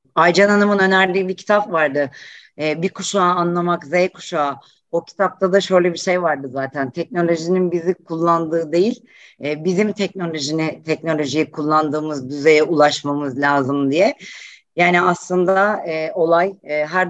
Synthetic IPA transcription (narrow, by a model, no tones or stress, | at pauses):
ajd͡ʒananamɯnø̞næɾlʲibicʰi̥t̪ʰapvaɾd̪ɯɛːbikʰuʃaːnlˠamakzejkʰu̥ʃaː | o̞cʰi̥t̪ʰap̚t̪ʰad̪aʃø̞jlʲɛbiʃe̞jvaɾd̪ɯzaːt̪ʰænt̪ʰɛc̚no̞lʲo̞ʒininbizikʰulˠːand̪ɯːd̪e̞jilʲ | ɛːbizimt̪ʰɛc̚no̞lʲo̞ʒinit̪ʰɛc̚no̞lʲo̞ʒijikʰulˠːand̪ɯːmɯzd̪yze̞jɛʔulˠaʃmamɯzlʲaːzɯmd̪ijɛjaːniaslˠɯnd̪aːo̞lˠajːɦæɾ